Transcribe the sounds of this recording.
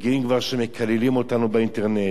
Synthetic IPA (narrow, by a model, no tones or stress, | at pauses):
ɡiimɡvaʁʃeme̞kʰalelimo̞tanubeinteʁne